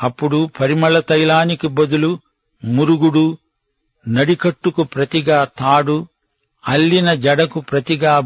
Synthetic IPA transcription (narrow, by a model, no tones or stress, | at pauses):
ɐpːuɽupʰɐɾimɐlɐt̪ɐjlaːnikibɐd̪ulu | muɾuɡuɽu | nɐɽikɐʈːukupɾɐt̪iɡaːt̪aːɽu | ɐlːinɐd͡ʒɐɽɐkupɾɐt̪iɡaː